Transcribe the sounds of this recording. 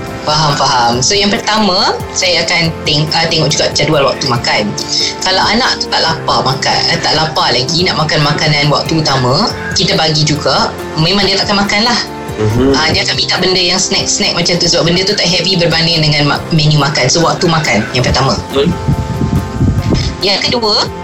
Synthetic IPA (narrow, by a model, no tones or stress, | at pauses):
faɦamfaɦamsojaŋpərt̪amã | sajaakant̪eŋət̪eŋɔʔ̚d͡ʒuɡapə̥t͡ʃadualwa̰k̚t̪umãkan | kalawanãʔt̪u̥t̪aʔlapamaka̰ət̪aʔlapalaɡinaʔmakanmakanãnwa̰k̚t̪uːt̪amã | kit̪abaɡid͡ʒuɡa | mẽmãŋdiat̪aʔkanmakanlah | ʔədiaakanmit̪aʔbəndəjaŋsnɛk̚sənɛk̚mat͡ʃant̪usəbap̚bəndət̪ut̪aʔɦɛvibərbanɪŋdəŋãnmamɛnjumakansəwak̚t̪umakanjaŋpərt̪amã | jakəduə